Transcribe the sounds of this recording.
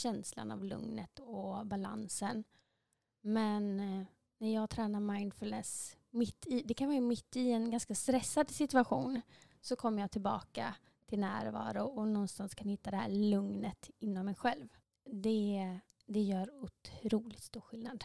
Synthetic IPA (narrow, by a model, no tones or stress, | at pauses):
ɕɛnsla̰na̰vlɵ̰ŋnət̪ɔbala̰nsən | mɛn | nːæɾjɑːɡt̪ʰɾɛːnaɾmaɪnd̪fɵlnɛs | mɪt̪ːɪd̪ɛkʰanvɑːɾamɪt̪ːɪɛnɡanskast̪ɾɛsːad̪sɪt̪ɵaɧuːn | sɔkʰɔmːəɾjɑːt̪ʰɪlbɑ̰ːka | t̪ʰɪlnæːɾvɑ̰ːɾʊɔnɔnst̪anskʰanhɪt̪ːad̪ɛhæ̰ːɭɵŋnət̪ɪnːɔmːɛjɧɛlv | d̪ɛ | d̪ɛjœːɾʊt̪ʰɾuːlɪkt̪st̪uːɾɧɪlnad̪